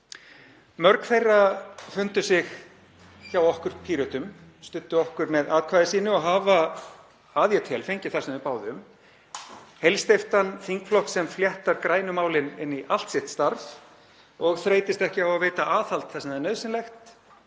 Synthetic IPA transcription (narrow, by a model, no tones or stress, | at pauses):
mœɾkθejrːafʏnt̪ʏsɪx | çawɔhkʏɾ̥pʰiːɾœt̪ʏmst̪ʏnt̪ːʏɔhkʏɾmɛðaːðkʰvaːðɪsiːnʏɔɦaːva | aːðjat̪ʰɛlfejɲcɪ̥θasnvɪpaːwðʏm | hejlst̪eft̪anθiŋkflɔhksɛmfljɛht̪aɾkɾaːjnʏmaːwlɪnɪnːiʔal̥t̪sɪht̪st̪aɾf | ɔɣθɾeːjt̪ɪst̪ɛhcɪawvaveːjt̪aʔaːθalt̪θasɪmðanœːðsɪnlɛxt̪